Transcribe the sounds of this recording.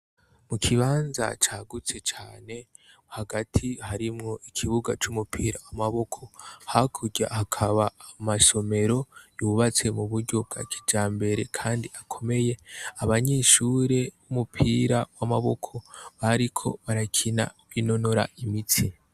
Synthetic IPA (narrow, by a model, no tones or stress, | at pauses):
mukʰiβaːnza̰t͡ʃaɡut͡set͡ʃaːne̞ | haɡatʰihaɾimŋo̞ʔikʰiβuɡat͡ʃumupʰiːɾawamaβo̞kʰo̞hakʰuɟa̰hakʰaβaːmaso̞me̞ɾo̞juβat͡se̞muβuɾɟo̞bɡa̰kʰi̥d͡ʒaːmbe̞ɾe̞kʰaːndiʔakʰo̞me̞je̞aβaɲeʃuɾe̞βumupʰiɾawamaβo̞kʰo̞βaɾikʰo̞̰βaɾakʰina̰βino̞no̞ɾa̰ʔimit͡si